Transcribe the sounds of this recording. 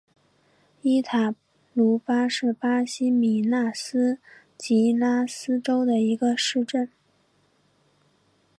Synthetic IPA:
i˥t̪ʰa˨˩ | lu˧˥pa˥ʂɻ̩˥˩pa˥ɕi˥mi˨˩na˥˩sɹ̩˥ | t͡ɕi˧˥la˥sɹ̩˥ʈ͡ʂo˥ʊd̪ə˨i˧˥ɡə˧ʂɻ̩˥˧ʈ͡ʂə˥˩n

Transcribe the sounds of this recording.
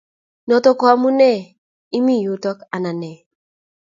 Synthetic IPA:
nɔ˨to˦kɔ˨˦a˨mu˦ne˦˨ | i˦mi˦˨ju˨tɔ˦ka˨na˨ne˨

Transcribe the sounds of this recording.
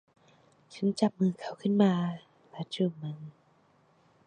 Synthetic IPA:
t͡ɕʰa˦˥˦nt͡ɕa˨˩p̚mɯː˧kʰa˧˩wkʰɯ˥˩˨nmaː˧ | lɛ˦˥t͡ɕuː˧˩ma˧ŋ

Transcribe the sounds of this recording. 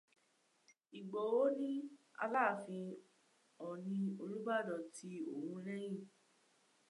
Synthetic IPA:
i˨ɡ͡bɔ˨o˦nĩ˦a̰˧laː˦˨fĩ˧ | ɔ˨nĩ˧o˧lu˦ba˦˨dɔ˨tʰi˧˦o̰˨hũ˧ɾɛ̃˦j̃ĩ˦˨

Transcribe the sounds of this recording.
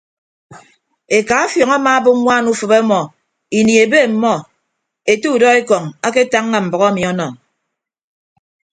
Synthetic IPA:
e˨ka˨a˦fjɔ˨ŋa˦maː˨˦bo˦ŋʷaː˦˨nu˦fɨ˨be˦mɔ˨ | i˨ni˨e˨be˦˨m̩˨mɔ˦ | e˨tu˦u˨dɔ˦e˦kɔ˨ŋa˦ke˦ta˦ŋːa˨m̩˨bɔ˨ɣa˦mi˨ɔ˦nɔ˨

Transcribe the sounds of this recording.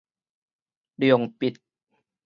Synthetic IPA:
di˨˩o˨˩ŋpi˨˩t̪̚

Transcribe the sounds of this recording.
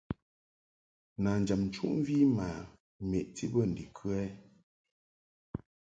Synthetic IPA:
na˨n˨d͡ʒa˨mn̩˨t͡ʃṵ˦ʔm˦vi˦ma˨ | mɛ˨ʔti˦bə˦˨n̩˨di˨kʰʉ˦ɛ˦

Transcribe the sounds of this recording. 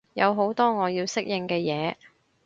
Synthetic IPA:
jɐ˨˧wɦo˨˥wt̪ɔː˥ŋɔː˨˧jiː˧wsɪ˥k̚jɪ˧ŋkɛː˧jɛː˨˧

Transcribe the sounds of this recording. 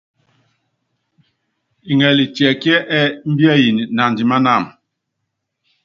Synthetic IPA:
i˨ŋɛ˨li˨tjɛ˨kjɛ˦ʔɛ˦m̩˦bi˦ɛ˦˨ji˨ni˨na˨ndi˨ma˦na˦˨m

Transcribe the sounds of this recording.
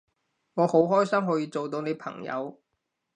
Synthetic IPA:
ŋɔː˨˧ho˨˥wɦɔː˥jsɐ˥mɦɔː˨˥jiː˧t͡so˨wt̪o˧wne˨˧jpʰɐ̰˨˩ŋjɐ̰˨˧w

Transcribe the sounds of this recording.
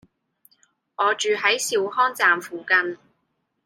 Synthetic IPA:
ʔɔː˨˧t͡ʃyː˨ɦɐ˨˥jsi˨˧whɔː˥ŋt͡saː˨mfuː˨kɐ˧n

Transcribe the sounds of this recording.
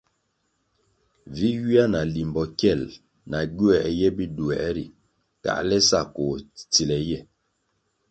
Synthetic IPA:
vi˦ji˦a˦na˨li˨mbɔ˨kɛ˦˨l | na˨ɡu˦ɛ˨ʔjɛ˦bi˦du˨ɛ˨ʔɾi˨ | ka̰˨ʔlɛ˦sa˦˨ko˨t͡si˨lɛ˨jɛ˦˨

